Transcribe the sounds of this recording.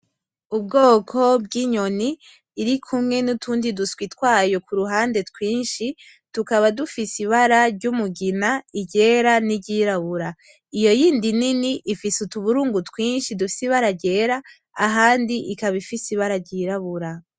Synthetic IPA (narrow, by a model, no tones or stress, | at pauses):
ubɡo̞ːkʰo̞bɡiːɲo̞niː | ɾikʰumŋe̞nutʰuːndiduskwitkwaːjo̞kuɾuɦaːnde̞twiːnʃi | tukaβadufisiβaɾaɾɟumuɡinaiɟe̞ːɾaniɟiɾaβuɾa | ijo̞jiːndininiʔːfisutuβuɾuːŋɡutwiːnʃidufi̥siβaɾaɟe̞ːɾaː | ɦaːndiʔikaβifisiβaɾaɟiɾaβuɾa